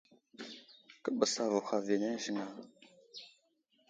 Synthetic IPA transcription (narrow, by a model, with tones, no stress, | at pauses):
kə˦bə˨sa˨və˨xa˨ve˨ne˦ʒə˦ŋa˦